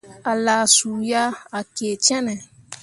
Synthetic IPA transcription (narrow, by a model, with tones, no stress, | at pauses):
a˨la˨su˨ja˦a˨ke˨t͡ʃɛ̃˦nɛ̃˨